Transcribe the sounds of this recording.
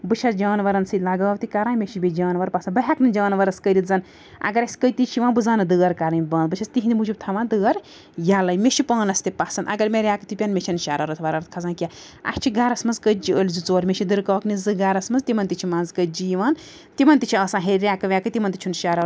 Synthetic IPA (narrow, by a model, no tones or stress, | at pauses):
bɨt͡ʃʰɐsd͡ʒaːnʋɐɾɐnsilɐɡaːwt̪ikaɾãːmʲeʃʰibʲed͡ʒaːnʋɐɾpɐsɐnbɐɦʲaknɨd͡ʒaːnʋɐɾɐskəɾit̪zɐn | ɐ̰ɡɐɾɐsʲkəjt̪it͡ʃʰiʋãːnbɨzaːnɨd̪ɨɡɐɾkaɾɐnʲbɐːnbɨt͡ʃʰɐst̪iɦind̪imud͡ʒʰub̚t̪ʰɐʋãːnd̪ɨɡɐɾ | jalɐjmʲeʃʰipɐːnɐst̪ipasɐnɐ̰ɡɐɾmʲeɾʲjaːkɨt̪ipʲɐnmʲet͡ʃʰɐnʃaɾɐɾɐt̪ʰʋɐɾɐɾt̪̚ʰkʰɐzãːkʲa | a̰kt͡ʃʰiɡaːɾɐsmɐnzkəd͡ʒiəlʲzit͡soːɾmʲet͡ʃʰid̪ɨɾkɐːknizɨɡaːɾɐsmɐnzt̪imɐnt̪it͡ʃʰimaːnzkəd͡ʒiːʋaːn | t̪imɐnt̪it͡ʃʰiɐːsãːɦeɾʲaːkɐʋʲaːkɨt̪imɐnt̪it͡ʃʰunʃaːɾɐ